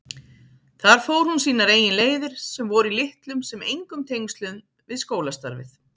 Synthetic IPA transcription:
θaɾ̥foːwɾ̥hunsiːnaɾeːjɪnleːjðɪɾ̥sɛmvɔɾilɪht̪lʏmsɛmejŋkʏmt̪ʰejŋst̪lʏn | vɪðskoːwlast̪a̰ɾvɪ̰θ

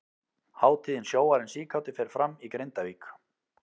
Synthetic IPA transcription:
haːwt̪ʰiːðɪnsjoːwaɾɪnsiːkʰawt̪ɪfɛɾ̥fɾamːikɾejnt̪aviːk

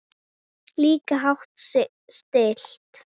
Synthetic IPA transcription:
liːkaɦaht̪sɪʔ | st̪eːɬt̪

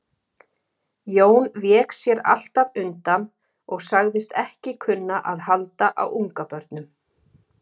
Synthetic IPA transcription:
joːwnvjɛːksjɛɾa̰l̥t̪avʏnt̪an | ɔɣsaɣðɪst̪ɛhcɪkʰʏnːaʔaðhalt̪aʔa̰wʔuŋkapœɾt̪nʏm

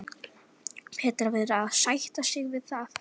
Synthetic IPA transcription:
pʰɛːt̪ɾavɪðɾaðsajht̪asɪɣvɪðθaθ

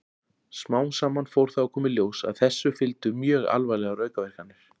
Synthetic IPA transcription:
smaːwnsaːmːanfowɾ̥θawakʰɔːmɪljoːwsa̰ðθɛsːʏfɪlt̪ʏmjœːɣa̰lvajlɛɣarœːɥkavɛr̥kanːʏ

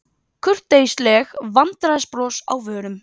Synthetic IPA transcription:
kʰʏr̥t̪ːeːjslɛɣvant̪ɾaspɾɔːsa̰wvœːɾʏm

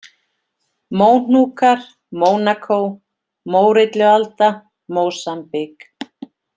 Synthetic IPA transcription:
moːwn̥uːkaɾ̥ | moːwnakʰow | moːwɾɪt̪lʏɣalt̪a | moːwsampɪk

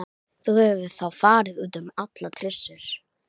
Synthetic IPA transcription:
θuhɛvvɪ̥θawfaːɾɪðuːt̪ʏmat̪lat̪ʰɾɪsːʏɾ̥

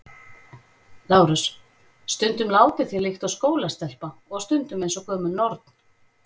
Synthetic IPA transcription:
laːwɾʏs | st̪ʏnt̪ʏmlaːwt̪ɪθjilɪxt̪awskoːwlast̪ɛl̥paɔɣst̪ʏnt̪ʏmejnsɔkʰɔːmʏnɔɾt̪n̥

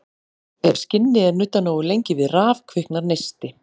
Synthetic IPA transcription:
ɛv̥scɪnːɪɛɾnʏt̪ːanoːwɪlejɲcɪvɪðraːvkʰvɪhknaɾnejst̪ɪ

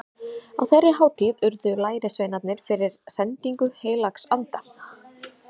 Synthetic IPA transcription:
a̰wθɛrːɪɦaːwt̪ʰiðʏɾðʏlaːjɾɪsveːjnat̪nɪɾ̥fɪɾɪɾ̥sɛnt̪iŋkʏheːjlaksant̪a

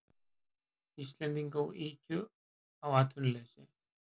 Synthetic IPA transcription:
ist̪lɛnt̪iŋkawiːcʏ | awaːt̪ʰvʏnlɛsɪ

